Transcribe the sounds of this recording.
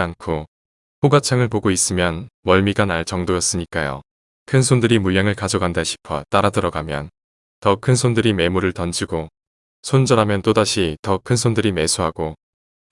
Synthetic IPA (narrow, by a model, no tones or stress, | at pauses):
ankʰo | ɸoɡat͡ɕʰaŋɯɭpoɡois͈ɯmjʌnmʌɭmiɡanaɭt͡ɕʌŋdojʌs͈ɯɲik͈ajo̰ | kʰɯnsʰondɯɾimuʎjaŋɯɭkad͡ʑʌɡandaɕʰi̥pʰʌt͈aɾadɯɾʌɡamjʌn | tʌkʰɯnsʰondɯɾime̞muɾɯɭtʌnd͡ʑiɡo | sʰond͡ʑʌɾɦamjʌnt͈odaɕʰitʌkʰɯnsʰondɯɾime̞sʰuɦaɡ̥o